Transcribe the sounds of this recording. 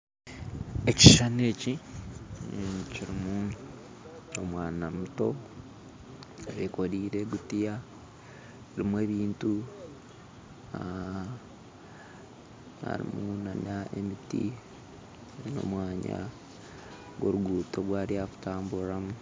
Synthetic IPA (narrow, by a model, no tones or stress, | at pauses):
e̞ci̥ʃane̞ci | ciɾimu | omwaːnamuto̞ | βeko̞ɾiːɾe̞ɡutija | ɾimwe̞ːβiːntu | a | ha̰ɾḭmunanae̞mitḭ | no̞̰mwaːɲa̰ | ɡoɾuɡuːtowaːɾiaku̥taːmbuɾamu